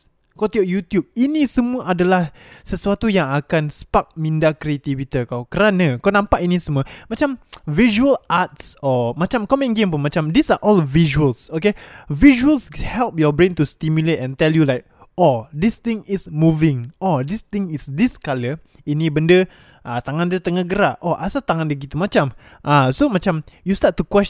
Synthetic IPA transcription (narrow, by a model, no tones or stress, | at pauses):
kat̪iɔʔjut̪jub̚inĩsəmũəʔadalah | səsuat̪ujaŋakansə̥pak̚mĩndakɾiat̪ivit̪ikawkəɾanə̃kawnãmpaʔinĩsəmũəmat͡ʃamviʒuəlʔat̪̚sɔmat͡ʃamkɔmɛ̃nɡẽmpunmat͡ʃamd̪isaʔɔlviʒuəlsokeviʒuəlshɛlp̚jɔbɹẽnt̪ust̪imjulet̪ɛ̃nt̪ɛljulajk̚ | od̪ist̪ɪ̃ŋɪsmuvɪ̃ŋʔɔd̪ist̪ɪ̃ŋisdiskalə | inĩbəndə | ʔat̪aŋãndət̪əŋəɡəɾaʔʔɔʔasat̪aŋãndəɡit̪umat͡ʃam | ʔasomat͡ʃamjust̪at̚tːukwɛs